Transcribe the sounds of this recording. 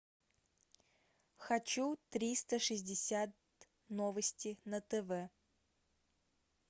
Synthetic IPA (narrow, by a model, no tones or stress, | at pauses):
xɐt͡ɕut̪ɾʲist̪əʂɨzʲdʲɪsʲat̪̚ | novəsʲtʲɪnət̪ɛvɛ